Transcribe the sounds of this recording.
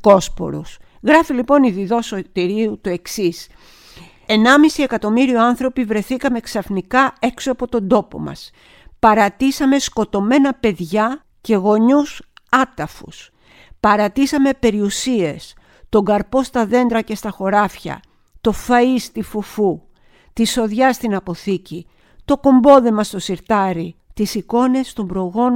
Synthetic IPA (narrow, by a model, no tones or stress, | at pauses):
ko̞spo̞̰ɾṵs | ɣɾɐfilipo̞niðiðo̞sot̪iɾiut̪ue̞ksis | e̞nɐmisie̞kɐt̪o̞miɾioɐnθɾo̞pivɾe̞θikɐme̞ksɐfnikɐe̞ksoɐpo̞t̪o̞nd̪o̞po̞̰mɐ̰s | pɐɾɐt̪isɐme̞sko̞t̪o̞me̞nɐpe̞ðʝɐ | ce̞ɣo̞ɲusɐt̪ɐfṵs | pɐɾɐt̪isɐme̞pe̞ɾiusie̞s | t̪o̞ŋɡɐɾpo̞st̪ɐðe̞nd̪ɾɐce̞st̪ɐxo̞ɾɐfçɐ̰ | t̪o̞fɐist̪ifufu | t̪iso̞ðʝɐst̪inɐpo̞θici | t̪o̞ko̞mbo̞ðe̞mɐst̪o̞siɾt̪ɐɾit̪isiko̞ne̞st̪o̞mbɾo̞ɣo̞n